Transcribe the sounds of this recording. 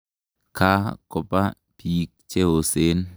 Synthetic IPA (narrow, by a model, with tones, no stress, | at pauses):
ka˦kɔ˨pa˦ | pi˨k̚t͡ʃe˦o˨se˦n